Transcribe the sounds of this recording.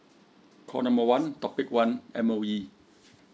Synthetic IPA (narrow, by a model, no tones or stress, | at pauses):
kʰɔ̰ːnamowant̪ɔpːik̚wanʔɛmojiː